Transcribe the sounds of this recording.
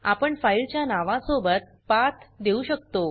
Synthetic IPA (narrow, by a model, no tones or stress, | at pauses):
a̰pəɳfailt͡ɕjanaʋãsobət̪̚ | pat̪d̪euɕək̚t̪o